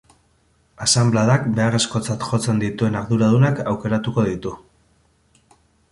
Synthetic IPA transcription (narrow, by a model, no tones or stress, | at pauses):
asamblaðakbe̞are̞sko̞t͡sat̪xo̞t͡se̞nd̪it̪ue̞naɾðuɾað̞unakawke̞ɾat̪uko̞ð̞it̪u